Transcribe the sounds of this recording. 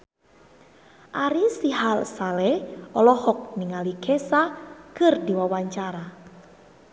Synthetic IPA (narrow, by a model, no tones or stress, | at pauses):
ʔaɾisiɦalsalɛɔlɔhɔk̚niŋalikʰɛsakɨrd̪iwawaɲt͡ʃaɾa